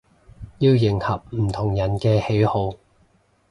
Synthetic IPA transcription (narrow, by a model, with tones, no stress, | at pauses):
jiː˧wjɪ˨˩ŋhɐ˨p̚m̩˨˩t̪ʰʊ˨˩ŋjɐ˨˩nkɛː˧he˨˥jho˨˧w